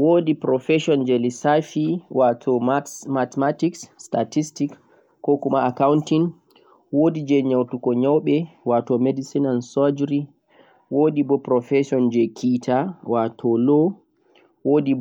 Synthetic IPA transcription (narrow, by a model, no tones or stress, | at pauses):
woːdipɾɔfɛʃɔnd͡ʒɛlisafiwatʰɔmatmatiksːtatistikː | ɔkumaakawuntin | wodid͡ʒɛɲawtukɔɲawɓɛwatɔmedisinansɔd͡ʒɾi | wodibɔpɾɔfɛsɔnd͡ʒɛkʰitʰawatʰɔlɔ | woːdi